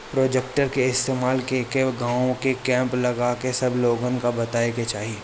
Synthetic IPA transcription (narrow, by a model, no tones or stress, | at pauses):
pɾoːd͡ʒek̚ʈəɾkeɪst̪eːmaːlkekeɡãːõkekɛ̃ːmplɐɡaːkesɐbloːɡənkabɐt̪aːeket͡ʃaːɦieː